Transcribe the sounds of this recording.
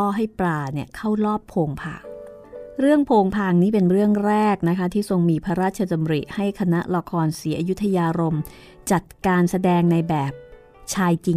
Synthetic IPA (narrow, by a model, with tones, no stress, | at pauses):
ɔː˥˩ɦa˥˩jpɾaː˨˧˩ni˥˩əkʰa˥˩wlɔː˥˩pʰːoː˧ŋpʰa̰ː˨˩ŋ̚ | ɾɯ˥˩əŋpʰoː˧ŋpʰaː˧˩ŋniː˦˥˩pe˧nɾɯ˥˩əŋɾɛː˥˩k̚na˦˥kʰa˦˥t̪ʰiː˥˩so˧ŋmiː˧pʰa˦˥ɾaː˥˩t̪̚t͡ɕʰa˧t͡ɕa˧mɾḭ˨˩ʔha˥˩jkʰa˧na˦˥ʔla˧kʰɔː˧nsiː˩˦ʔa˧ju˦˥t̪ʰːa˧jaː˧ɾo˧m | t͡ɕa˨˩t̪̚kaː˧nsa˧dɛː˧ŋna˧jbɛː˨˩p̚ | t͡ɕʰaː˧jt͡ɕi˨˩